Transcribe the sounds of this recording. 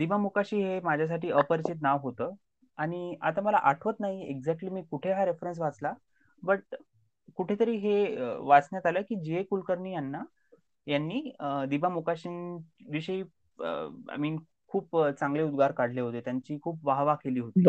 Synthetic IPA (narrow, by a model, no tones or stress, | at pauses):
d̪ibamukaɕiːɦemad͡ʑʱjas̬aʈʰiːəpəɾit͡ɕit̪̚naʋɦot̪əː | aɽ̃ia̰t̪aməla̰ʔaʈʰʋət̪naɦieɡd͡zɛk̚ʈliːmiːkuʈʰeɦaɾefɾens̬ʋat͡sla | bəʈ̚ | kuʈʰet̪əɾiːɦeəʋat͡snjat̪aləːkiːd͡ʑiekulkəɾɳiːjanːa | janːiːəd̪ibamukaɕinʋiɕəiː | ə̰a̰jmiːn | kʰuːpt͡saŋɡleud̪ɡʱaɾkaɽ̤leɦot̪et̪jaɲt͡ɕiːkʰuːpʋaɦʋakeliːɦot̪i